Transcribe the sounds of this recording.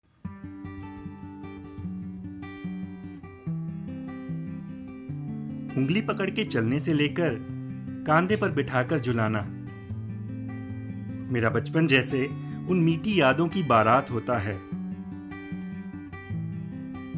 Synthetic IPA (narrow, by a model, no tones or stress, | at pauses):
hʊ̃ŋɡlipɐkəɽket͡ʃɐlneseleːkəɾkãːnd̪epɐɾbɪʈʰaːkəɾd͡ʒʊlaːnaː | meːɾabɐt͡ʃpənd͡ʒɛːseʊnmiːʈijaːd̪õkibaːɾaːt̪ɦoːt̪aɦɛː